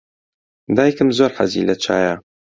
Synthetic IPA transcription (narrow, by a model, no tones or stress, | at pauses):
d̪aːjkɨmzoːɾħa̰zḭːlɐt͡ʃʰaːjɐ